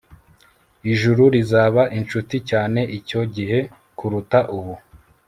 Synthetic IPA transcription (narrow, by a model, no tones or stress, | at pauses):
iʒuɾuɾizaːβaʔint͡ʃuticaːne̞ʔico̞ɟiɦe̞ | kuɾutaʔuβu